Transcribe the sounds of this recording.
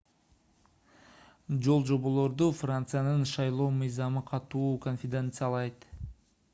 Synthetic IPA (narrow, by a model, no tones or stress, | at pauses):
d͡ʒo̞lˠd͡ʒo̞βo̞lˠo̞ɾd̪ufrant̪sɨjanɯnʃɑjlˠo̞ːmɯjzɑmɯqʰɑt̪uːko̞nfʲɪd̪e̞nt̪sɨjalˠɑjt̪